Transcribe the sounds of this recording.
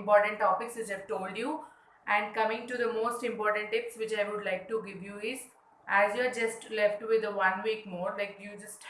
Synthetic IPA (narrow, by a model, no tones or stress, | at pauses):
mpɔːɾʈə̃ɳʈːɔːpɪksɪt͡ʃɛɪʋʈoːlɖju | ʔæ̃ɳɖkʌ̃mɪ̃ŋʈud̪əmoːsʈɪ̃mpɔːɾʈə̃ɳʈɪpsʋɪt͡ʃaɪʋʊɖlaɪk̚ʈuɡɪʋjuɪz | ʔæzjuəd͡ʒʌsʈlɛfʈʋɪd̪əʋʌ̃nʋiːkmɔːɾlaɪkjuːd͡ʒʌsʈ